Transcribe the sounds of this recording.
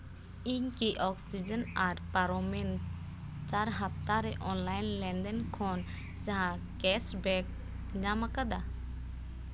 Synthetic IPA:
iɲkiʔɔksid͡ʒɛnaɾpaɾɔmɛn | t͡ʃaɾɦap̚ʰt̪aɾɛʔɔnlajnlɛnd̪ɛnkʰɔn | d͡ʒaɦã | kɛsbɛk̚ | ɲamakad̪a

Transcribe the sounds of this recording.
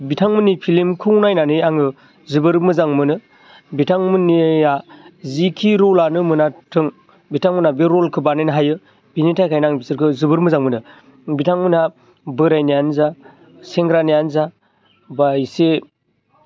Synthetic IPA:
bitʰaŋmɯnipʰilimkʰɯwnajnanɯjaŋɯ | zɯbɯɾmɯzaŋmɯnɯ | bitʰaŋmɯnijazikʰiɾɔlanɯmɯnatʰɯŋ | bitʰaŋmɯnabeɾɔlkʰɯbanɯjnɦajɯ | binitʰajkʰajnaŋbisɯɾkʰɯzɯbɯɾmɯzaŋmɯnɯ | bitʰaŋmɯna | bɯɾajnijanza | seŋɡɾanijanza | bajse

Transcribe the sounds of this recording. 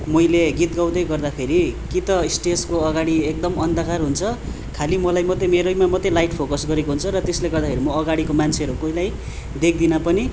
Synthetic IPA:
mʌjleɡit̪̚ɡaw̃d̪ʌjɡʌrd̪apʰeɾikit̪ʌisʈeskoʌɡaɽiek̚d̪ʌmʌnd̪ʱʌkarɦunt͡sʰʌ | kʰalimʌlajmʌt̪emeɾʌjmamʌt̪ːelajʈpʰokʌsɡʌɾekoɦunt͡sʰʌɾʌt̪esleɡʌrd̪akʰeɾimʌːɡaɽikomant͡sʰeɦʌɾukoilaj | d̪ek̚ʰd̪inapʌni

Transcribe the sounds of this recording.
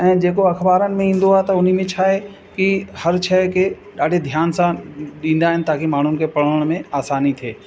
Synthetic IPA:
ɛ̃ːd͡ʒeːkoɐxbaːɾənɪ̆mẽĩːn̆d̪oaːɦet̪ɐʊn̤imẽt͡ʃʰaːɦe | kihɐɾt͡ʃʰɛːke | ɗaːɖʱed̪ʱjaːnsãɗĩːnd̪aːɦɪnɪ̆t̪aːkimaːɳ̤ʊnɪ̆kepɐɽ̤əəɽ̃mẽaːsaːnit̪ʰeː

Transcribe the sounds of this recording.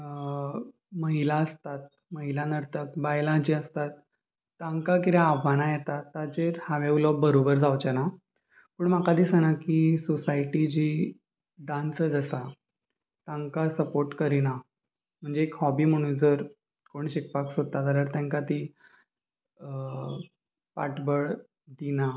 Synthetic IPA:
məɦilaəst̪at̪̚ | məɦilanəɾt̪əkbajlãd͡ʑiːəst̪at̪̚ː | ãŋkak̬iɾẽaʋanajɛt̪at̪ːad͡zeɾhaʋeʋlɔbəɾobəɾd͡zawt͡ɕɛna | puɳmakad̪isanakisosaiʈid͡ʑiː | ɖãnt͡səd͡zəsa | t̪ãŋkasəpoɾʈkəɾina | m̤əɳd͡zeekhɔbiːm̤əɽ̃ũːnd͡zəɾ | koɳ̃ɕikpaksot̪ːat̪aɾaɾt̪ãŋkat̪i | paʈbəɭ | d̪ina

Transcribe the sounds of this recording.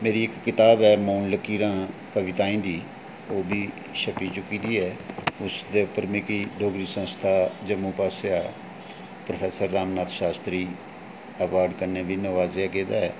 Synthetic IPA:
meːɾiːɪkːɪt̪aːbɛːmoːnləkiːɾãːpəʋɪt̪ãːĩːd̪iː | oːbʱiː | ʃəpiːt͡ʃʊkiːd̪iːɛːʊsd̪eːʊpəɾmeːkiːɖʱoːɡɾiːsə̃nst̪ʰaːd͡ʒəmũːpaːseaː | pɾəpʰɛːsəɾːaːmnaːt̪ʰʃaːst̪ɾiː | əʋaːɾɖkəɾneːbiːnəʋaːzaːkeːd̪aːɛː

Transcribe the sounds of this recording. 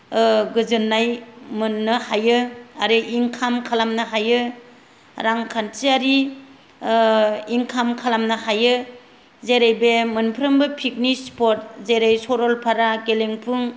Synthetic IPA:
ɡɯzɯnːajmɯnːɯhajɯaɾiʔiŋkʰamkʰalamnɯɦajɯ | ɾaŋkʰantiaɾi | iŋkʰamkʰalamnɯhajɯ | zeɾejbemɯnpʰɯɾɯmbɯpʰik̚nispɔt̚zeɾajsɔɾɔlpʰaɾaɡeleŋpʰɯŋ

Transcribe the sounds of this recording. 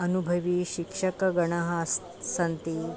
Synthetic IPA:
ɐnubʱɐʋiːɕikʂɐkɐɡɐɳ̃ɐɦas | sɐnt̪i

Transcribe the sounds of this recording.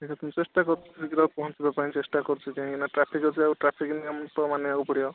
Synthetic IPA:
ekʰat̪umit͡ʃesʈakɔɾtʰikiɾat̪̚pɔɦɔ̃ntibapaɦĩt͡ʃesʈakɔɾt͡ʃʰik̪iɦãkinaʈɾapʰikɦɔt͡ʃʰiauʈɾapʰikniamɔnt̪ɔmaneaupɔɽijɔ

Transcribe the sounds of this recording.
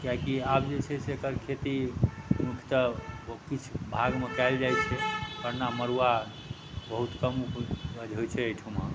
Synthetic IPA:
kjakiabd͡ʒet͡ʃʰɛsekəɾkʰet̪imukʰjt̪əokit͡ʃʰbʱaɡmekajld͡ʒajt͡ʃʰɛpəɾnaməɾuwa | bəɦut̪kəmbəd͡ʒʱojt͡ʃʰɛəjʈʰumə

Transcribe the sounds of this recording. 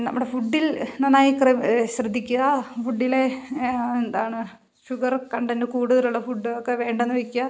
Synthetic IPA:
nɐ̰mːuɽe̞fuɖːilnɐnaːjikrɐɕrɐd̪ʱːikʲːuɣɐfuɖːile | end̪aːɳɨ | ɕuɡɐrkɐɳɖendɨkuːɽuðɐluɭːɐfuɖːɨokːe̞ʋe̞ːɳɖenːɨʋekʲːuɣɐ

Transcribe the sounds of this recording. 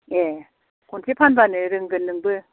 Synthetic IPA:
je | kontʰepʰanbanɯɾɯŋɡɯnːɯŋbɯ

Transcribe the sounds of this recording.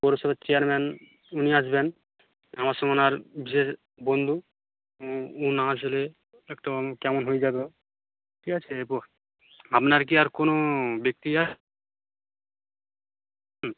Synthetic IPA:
poɾoʃɔbat͡ɕeaɾmɛn | uniaʃben | amaɾʃɔmonaɾbʱiʃeɾ | bond̪ʱu | unaaʃ̬ole | ɛkʈokɛmonɦojd͡ʑabe | kʰikat͡ɕʰepo | bʱapnaɾk̬iaɾkonobek̚t̪iaʃ

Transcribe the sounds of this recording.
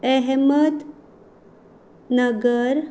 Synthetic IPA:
ɛɦmət̪ | nəɡəɾ

